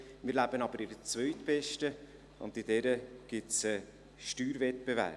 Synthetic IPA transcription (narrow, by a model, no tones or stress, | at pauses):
mɪːɾlæb̥ənɑbəɾɪdət͡svœʏtbɛʃtə | ʊ̰ndɪd̥ɛɾəɡ̥ɪtt͡sɛ | ʃtyːɾvɛt̚b̥evæ̰ɾ